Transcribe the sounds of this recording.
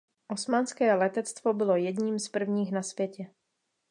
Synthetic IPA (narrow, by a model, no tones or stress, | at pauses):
ʔo̞smanskɛːlɛt̪ɛt͡st̪vo̞bɪlo̞jɛdɲiːmspr̩vɲiːxnasvjɛcɛ